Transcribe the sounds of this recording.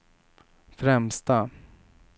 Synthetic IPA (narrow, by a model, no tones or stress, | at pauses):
fɾɛmst̪a